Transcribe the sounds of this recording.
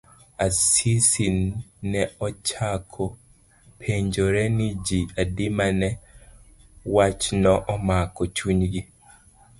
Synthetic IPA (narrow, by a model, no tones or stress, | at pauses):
asisinːɛɔt͡ʃakʰɔ | pʰeɲd͡ʒoɾɛnid͡ʒiadimanɛ | wat͡ʃnɔʔɔmakɔt͡ʃuɲɡi